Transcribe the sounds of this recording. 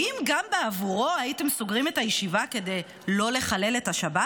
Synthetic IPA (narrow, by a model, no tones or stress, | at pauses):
imɡambeavuʁo̞ajite̞msoɡʁime̞tajeʃivake̞de̞j | lo̞leχale̞le̞taʃaba